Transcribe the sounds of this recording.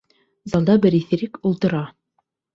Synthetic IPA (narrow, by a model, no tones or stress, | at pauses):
zɑlˠd̪ɑbɘɾiθɘ̆ɾɘkulˠt̪ɤ̆ɾɑ